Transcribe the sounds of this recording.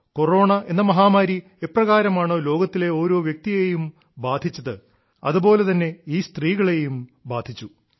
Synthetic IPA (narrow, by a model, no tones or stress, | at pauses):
ko̞ro̞ːɳɐʔe̞nːɐmɐɦaːmaːɾi | eprɐɣaːɾɐmaːɳoːlo̞ːɡɐt̪ːile̞o̞ːɾo̞ːʋjek̚t̪ijejum | baːd̪ʱit͡ɕːɐðɨ | ɐ̰ðubo̞ːle̞t̪ɐnːe̞iːst̪riːɣɐɭe̞jumbaːd̪ʱit͡ɕːu